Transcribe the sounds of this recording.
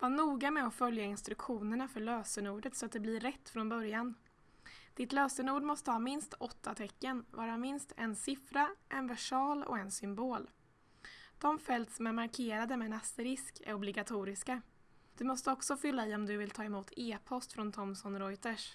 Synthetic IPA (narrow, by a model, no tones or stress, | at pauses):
vaɳuːɡamɛɔfœljaɪnst̪ɾɵkɧuːnəɳafœɭøːsənuːɖət̪sɔat̪̚d̪ɛblɪɾɾɛt̪ːfɾɔnbœɾjan | d̪̥ɪt̪løːsənuːɖmɔst̪əhɑːmɪnst̪ɔt̪ʰːat̪ʰɛkːənvɑːɾamɪnst̪ʰɛnsɪfɾaʔɛnvæʂɑːlɔ̰ɛnsʏmboːl | d̪̥ɔmfɛlt̪sɔmæɾmaɾkʰeːɾad̪əmɛnasəɾɪskɛ̰ɾɔblɪɡat̪ʰuːɾɪska | d̪̥ɵmɔst̪əɔksɔfʏlːaɪːɔmd̪ɵvɪlt̪ʰɑːɛmuːt̪ʰeːpʰɔst̪fɾɔnt̪ʰɔmsɔnɾɔjt̪əʂ